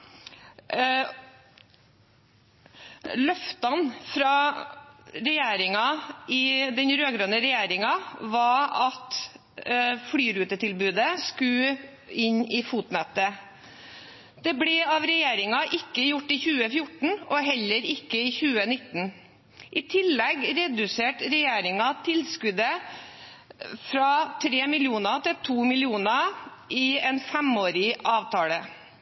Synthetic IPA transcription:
lœft̪ɑnfɾɑː | ɾɛjeːɾɪŋɑɪd̪ɛnɾøːɡɾøːnəɾɛjeːɾɪŋɑʋɑɑt̪ | fɽyːɾʉːt̪ət̪ʰɪlbʉːd̪əskʉ | ɪɲɪfuːt̪nɛt̪ːə | d̪̥ɛblɛɑːʋɾɛjeːɾɪŋɑʔɪkːəjʊʈːɪçʉːəfjʊʈɳ̩ɔɦɛlːəɾɪkːəɪçʉːənɪt̪ːn̩ | ʔɪt̪ʰɪlːɛɡɾɛd̪ʉseːʈɾɛjeːɾɪŋɑt̪ʰɪlskʉd̪ə | fɾɑt̪ʰɾeːmɪlɪuːnɑt̪ɪlt̪ʰuːmɪlɪuːnɑ | ʔɪɛnfɛmoːɾɪɑːʋt̪ʰɑːlə

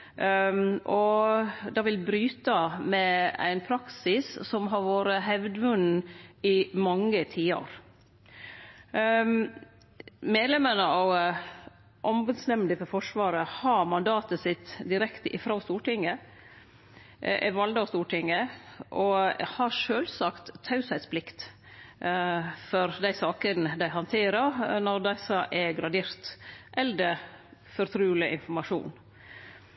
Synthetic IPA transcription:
ɔd̪ɑʋɪlbɾyːt̪əmɛæ̰ɪnpʰɾɑksɪssɔmɦɑɾʋoːɾəɦɛʋd̪əʋʉn̩ɪmɑŋːət̪ʰiːɑ̰ɾ | meːd̪lɛmənəɑ | ʔɔmbəd̪snɛmd̪ɪfɔɾfɔʂʋɑːɾəhɑɾmɑnd̪ɑːt̪əsɪt̪ːd̪ɪɾɛkt̪əʔɪfɾɑst̪uːʈɪŋːə | ʔɛ̰ʋɑld̪əɑst̪uːʈʰɪŋːəʔɔhɑɾʂøːlsɑkt̪ʰːɑʉsæɪt̪spʰlɪkt̪ | fɔɾd̪æɪsɑːkənəd̪æɪɦɑnt̪ʰeːɾəɾnɔɾd̪æɪsɑʔɛɡɾɑd̪eːɾt̪ʔɛld̪əfɔɾt̪ʰɾʉːlɪʔɪ̰nfɔɾmɑʂṵːn

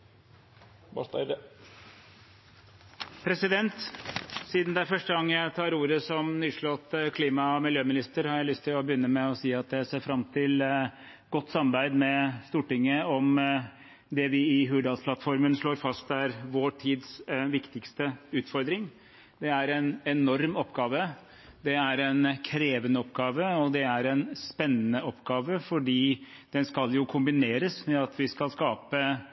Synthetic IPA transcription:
pʰɾɛsɪd̪ɛnt̪siːd̪nd̪ɛæfœʂʈəɡɑŋːəjæɪt̪ʰɑːɾuːɾəsɔmnyːʂɭɔt̪ːkʰliːmɑmɪljøːmɪnɪst̪əɾhɑɾjæɪlʏst̪ʰːɪlɔbəjʏnːəmɛɔsiːɑt̪̚d̪ɛseːɾfɾɑmt̪ʰɪl | ɡ̥ɔt̪ːsɑmɑbæɪd̪mɛst̪uːʈɪŋːəɔm | d̪ɛʋɪɪɦʉːɖ̪ɑlspʰlɑt̪fɔɾmənʂɭoːɾfɑst̪̚æɾʋoːʈʰiːd̪sʋɪkt̪ɪkst̪əʉːt̪fɔɾd̪ɾɪŋ | d̪ɛæɾɛnɛnɔɾmɔpːɡɑːʋə | d̪ɛæɾɛnkʰɾeːʋənəɔpːɡɑːʋəɔd̪ɛæɾɛnspɛnːənəɔpːɡɑːʋəfɔɖiː | d̪̥ɛnskɑljʊkʰʊmbɪneːɾəsmɛɑt̪ʋɪskɑlskɑːpə

